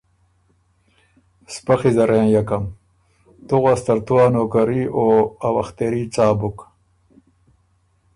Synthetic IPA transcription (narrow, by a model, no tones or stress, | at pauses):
spɐxizɐɾẽːjɐkɐm | t̪uɣast̪ɐɾt̪uaːnoːkɐɾioːɐwɐxt̪eɾit͡saːbuk